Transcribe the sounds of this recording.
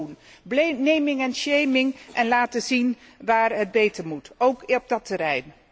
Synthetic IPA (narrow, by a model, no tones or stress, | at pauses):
un | bnejmɪŋɛnʃejmɪŋʔɛnlaːtəzin | ʋaːɹɦəd̚bejtəɹmutowkɔb̚dɑtəɾɛjn